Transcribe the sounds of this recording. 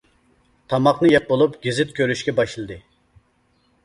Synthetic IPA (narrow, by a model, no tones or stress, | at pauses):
t̪ʰɑmɑqnɨjɛp̚bolˠupɡʲizɪt̪̚kʲʰøɾyʃkʲɛbɑʃɨlˠɨd̪ɨ